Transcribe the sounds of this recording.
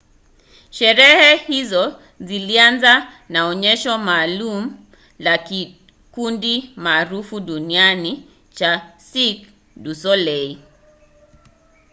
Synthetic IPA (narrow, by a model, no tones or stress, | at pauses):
ʃɛɾɛhɛhizɔ | zilianza | naɔɲɛʃɔmaːlum̩ | laki | kundimaːɾufuɗuniani | t͡ʃasik | dusɔlɛi